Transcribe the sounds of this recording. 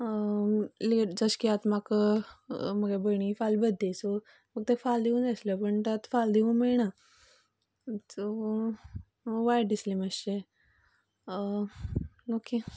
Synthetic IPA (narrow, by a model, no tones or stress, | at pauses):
led͡zəskiat̪mak | məɡebəɽ̃ifalbəd̪ʱːeso | fək̚t̪efald̪iʋũːnd͡zəsləpəɳt̪at̪fald̪iũmeɭɳa | to | ʋajɖɖisliməse | nokːi